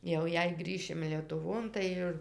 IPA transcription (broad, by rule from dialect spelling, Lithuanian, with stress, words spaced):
jɛʊ ˈjɛɪ ˈɡrʲiːʃʲɪm lʲiɛtʊˈʋoːn tɐɪ ˈɪr